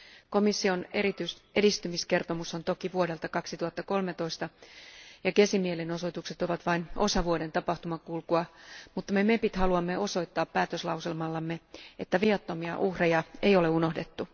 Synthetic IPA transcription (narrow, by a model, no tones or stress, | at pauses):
ko̞misːioneɾit̪yedist̪ymiske̞rt̪o̞muso̞nt̪o̞kiʋuode̞lt̪ɑkɑksit̪uɑt̪ːɑko̞lme̞t̪o̞ist̪ɑ | jɑkesimieleno̞so̞t̪ukse̞t̪o̞ʋɑt̪ʋɑinʔo̞̰sɑʋuode̞nt̪ɑpɑht̪umɑkulkuɑmut̪ːɑme̞mepit̪hɑluɑmːe̞ʔo̞so̞jt̪ːɑːpːæːt̪øslɑwselmɑlːɑmːeet̪ːæʋiɑt̪ːo̞miɑ̰ʔuhrejɑejo̞leuno̞hde̞t̪ːu